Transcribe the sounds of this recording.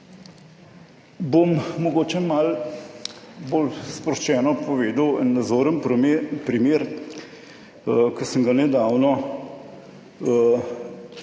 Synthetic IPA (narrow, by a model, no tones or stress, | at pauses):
bommɔɡoːt͡ʃɛmal | bolspɾɔʃt͡ʃɛːnɔpɔʋeːd̪əwɛ̰nːad̪zoːɾənppɾimeːɾ | kəsəŋɡanɛd̪aːwnɔ